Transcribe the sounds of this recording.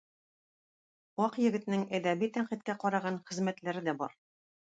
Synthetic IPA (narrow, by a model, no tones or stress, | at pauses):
ɒqjɘ̆ɡɘ̆t̪nɘŋæd̪æbit̪æɴqit̪̚kæqɒɾɑʁɑnχɘ̆zmæt̪læɾɘd̪æbɒ̰ɾ